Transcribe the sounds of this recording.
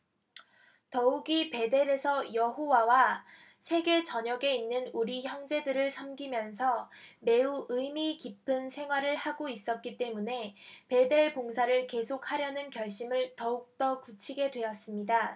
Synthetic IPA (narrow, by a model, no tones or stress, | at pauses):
tʌuɡipe̞de̞ɾe̞sʰʌjʌɦowawa | sʰe̞ɡe̞t͡ɕʌɲʌɡe̞inːɯnuɾiçjʌŋd͡ʑe̞dɯɾɯɭsʰamɡimjʌnsʰʌme̞uʔɯmikipʰɯnsʰe̞ŋɦwaɾɯɭhaɡois͈ʌt̚k͈it͈e̞mune̞pe̞de̞ɭpoŋsʰaɾɯɭke̞sʰok̚ʰhaɾjʌnɯnkjʌɭɕ͈imɯɭtʌuk̚t͈ʌkut͡ɕʰiɡe̞dwe̞ʌs͈ɯmɲida